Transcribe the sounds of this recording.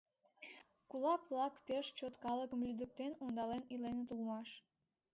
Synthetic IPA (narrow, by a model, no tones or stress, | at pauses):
kulɑkβlɑkpeʃt͡ɕot̪kɑləkəmlyd̪ək̚t̪enond̪ɑlenilenet̪ulmɑʃ